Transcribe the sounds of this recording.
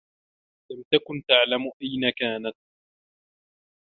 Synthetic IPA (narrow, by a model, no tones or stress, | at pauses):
lamt̪akʊnt̪aʕlamʔajnakaːnat̪̚